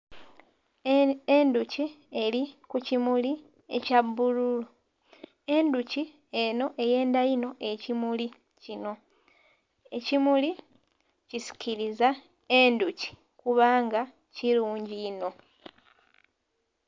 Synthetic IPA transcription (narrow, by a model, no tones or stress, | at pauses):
enduci | e̞ɾikucimuli | e̞cabːululu | e̞nduci | eno̞ʔe̞je̞ːndajino̞ʔe̞cimuli | cino̞ | e̞cimuli | cisi̥ciɾiza | e̞nduci̥ | kuβaːŋɡa | ciɾuːɲɟino̞